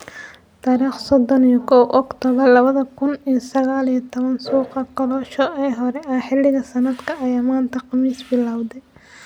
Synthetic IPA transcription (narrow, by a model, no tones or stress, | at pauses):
t̪ʰaːɾiːχsɔd̪ɔnijɔkʰɔwʔɔkt̪ʰɔβɐlɐβɐðɐkʰʊnijsɐɣaːlijɐt̪ʰɔβɐnsuːqɑqɔlɔːʃɔʔɛjɦɔɾɛʔɐħɪlːɪɣɐsɐnɐd̪kʰɐʔːjaːmaːnt̪ʰɐqɑmiːsbɪlaːwd̪ɛj